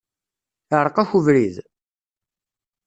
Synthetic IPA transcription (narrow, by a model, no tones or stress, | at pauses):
əɾˤəqæçuvɾið